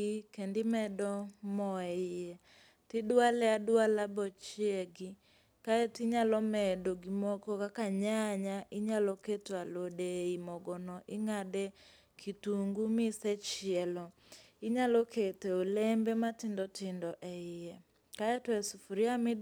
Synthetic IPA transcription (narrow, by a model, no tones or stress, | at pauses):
ikendimɛdɔmɔɛijɛ | tɪdʊalɛadʊalabɔt͡ʃiɛɡi | kaɛtiɲalɔmɛdoɡimɔkɔkakaɲaɲaʔɪɲalɔketwalodeimɔɡɔnɔʔɪŋadɛ | kʰituŋɡumɪsɛt͡ʃiɛlɔ | iɲalɔketɛolɛmbɛmatɪndɔtɪndɔʔɛijɛ | kaɛtwɛsufuɾiamɪ